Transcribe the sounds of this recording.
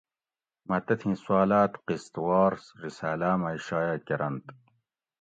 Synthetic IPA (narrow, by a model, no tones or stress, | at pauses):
mat̪ɐt̪ʰĩswaːlaːt̪qist̪wɑːɾsɾisaːlaːmaiʃaːjaːkɐɾɐnt̪